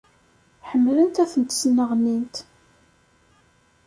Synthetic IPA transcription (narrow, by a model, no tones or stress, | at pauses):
ħəmːlənt̪æθənt̪snəʁnint̪